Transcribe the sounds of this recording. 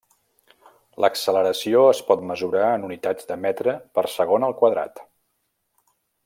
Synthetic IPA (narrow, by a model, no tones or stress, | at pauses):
ləksələɾəsioəspɔt̪məzuɾaənunit̪ad͡zd̪əmɛt̪ɾəpəɾsəɣ̞onəlˠkwəðɾa̰t̪